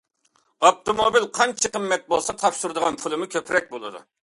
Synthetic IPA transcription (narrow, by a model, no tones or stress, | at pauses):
ɑp̚t̪omobilqʰɑnt͡ʃʰəqəmːɛt̪̚bolˠsɑt̪ʰɑpʃuɾɨd̪əʁɑnpʰulˠɨmʊkʲʰøpʰɾɛk̚ʲbolˠɨ̰d̪ṵ